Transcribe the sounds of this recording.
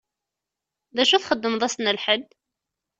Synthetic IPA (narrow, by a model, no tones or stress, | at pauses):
ðæʃuθχəd̪ːəmðˤæsnəlħəd̪ː